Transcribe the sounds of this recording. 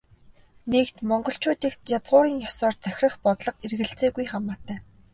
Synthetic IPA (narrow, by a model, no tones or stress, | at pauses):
nekt̪mɔɴɢɞ̆ɬt͡ɕʊːt̪iːk̚t̪jat͡sʁʊːɾiːŋjɔsɔːrt͡sæxʲrə̆χpɔt̪ɮɞ̆qerɣɘ̆ɬt͡seːɡujχamaːt̪æː